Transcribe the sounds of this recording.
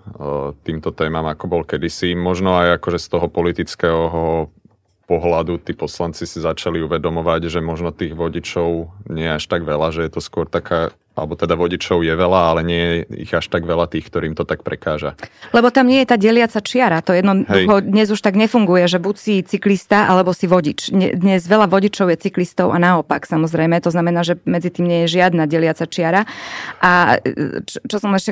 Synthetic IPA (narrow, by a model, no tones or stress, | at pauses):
t̪iːmt̪ɔt̪ɛːmamakɔbɔlkɛd̪isimɔʒnɔajakɔʒɛst̪ɔɦɔpɔlit̪it͡skɛɦɦɔ | pɔɦlad̪ut̪iːpɔslant͡sisizat͡ʃaliuʋɛd̪ɔmɔʋaɟʒɛmɔʒnɔt̪iːɣʋɔɟit͡ʃɔʊɲɪɛjɛaʃt̪aɡʋɛlaʒɛjɛt̪ɔskʊɔɾt̪akʰaː | a̰lɛbɔt̪ɛd̪aʋɔɟit͡ʃɔʊjɛʋɛlaalɛɲɪɛjɛḭɣaʃt̪aɡʋɛlat̪iːxk̚t̪ɔɾiːmt̪ɔt̪ak̚pɾʔɛkaːʒalɛbɔt̪amɲɪɛjɛt̪aːɟɛlɪat͡sat͡ʃɪaɾat̪ɔjɛd̪nɔɛuxɔd̪ɲɛzuʃt̪aɡɲɛfuŋɡujɛʒɛbucsit͡siklist̪aʔalɛbɔsiʋɔɟit͡ʃɲɛ̰d̪ɲɛzʋɛlaʋɔɟit͡ʃɔʊjɛt͡siklist̪ɔʊʔanaɔpaksamɔzɾɛjmɛt̪ɔznamɛnaːʒɛmɛd͡zit̪iːmɲɛjɛʒɪad̪naɟɛlɪat͡sat͡ʃɪaɾaʔa | t͡ʃt͡ʃɔsɔmɛʃɛ